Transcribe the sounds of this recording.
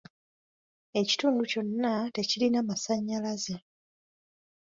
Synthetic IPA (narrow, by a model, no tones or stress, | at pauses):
e̞ci̥tuːnduco̞nːate̞cilinamasaɲːalaze